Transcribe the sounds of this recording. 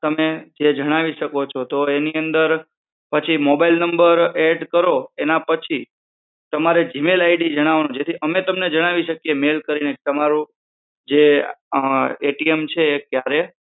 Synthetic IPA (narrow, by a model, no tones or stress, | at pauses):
t̪əmed͡ʒed͡ʒəɽ̃aʋiʃəkot͡ʃʰot̪oeniənd̪əɾ | pət͡ʃʰimobailnəmbəɾeɖkəɾoenapət͡ʃʰi | t̪əmaɾed͡ʒimelaiɖid͡ʒəɽ̃aʋnõd͡ʒet̪ʰiʔəmet̪əmned͡ʒəɽ̃aʋiʃəkjemelkəɾinet̪əmaɾũ | d͡ʒe | eʈiemt͡ʃʰeːkjaɾe